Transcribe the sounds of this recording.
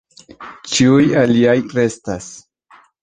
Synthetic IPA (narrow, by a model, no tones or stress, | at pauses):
t͡ʃiujaliajɾe̞stas